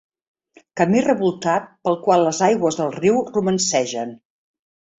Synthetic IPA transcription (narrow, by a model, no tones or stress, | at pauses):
kəmirəβulˠt̪at̪̚pəlˠkwalˠːəzajɣwəzðəlˠriwrumənsɛʒən